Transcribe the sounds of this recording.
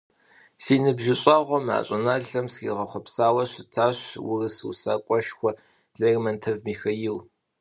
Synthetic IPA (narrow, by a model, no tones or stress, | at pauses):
siːnɨbʒɪɕʼɑːʁʷɔma̰ːɕʼɪnaːɮɐmskḭːʁɐχʷɔpsaːwɐɕɪtʰaːɕwʊ̰rɨsɨwsa̰ːkʷʼɔʃxʷɔ | ɮermɐntʰɐvmiːxɐjɪw